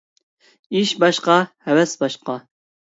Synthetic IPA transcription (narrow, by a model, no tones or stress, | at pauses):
iʃbɑʃqɑhɛwɛsbɑʃqɑ